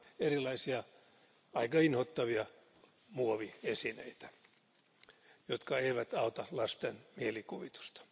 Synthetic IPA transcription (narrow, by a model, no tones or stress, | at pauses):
erilɑisiɑ | ɑikɑinhot̪ːɑʋiɑ | muoʋiesinḛit̪æ̥ | jot̪kɑeiʋæt̪ɑot̪ɑlɑst̪enmielikuʋit̪u̥st̪ɑ̥